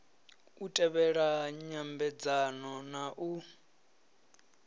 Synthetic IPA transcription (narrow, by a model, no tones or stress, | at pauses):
utʼɛβɛɺaɲambɛd͡zanɔnaʔu